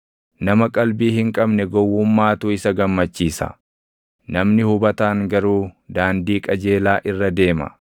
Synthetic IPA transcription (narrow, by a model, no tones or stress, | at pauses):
nɐmɐkʼɐlbiːhɪŋkʼɐbnɛɡɔwːʊmːaːt̪uːɪsɐɡɐmːɐt͡ʃːiːsɐ̰ | nɐmnɪhʊbɐt̪aːŋɡɐɾuːd̪aːnd̪iːkʼɐd͡ʒe̞ːlaːʔɪrːɐd̪e̞ːmɐ̰